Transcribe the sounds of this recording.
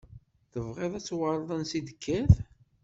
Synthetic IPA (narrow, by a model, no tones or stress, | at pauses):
θəvʁeðˤæt͡sːwəɾˤðˤənsid̪əkʰːæθ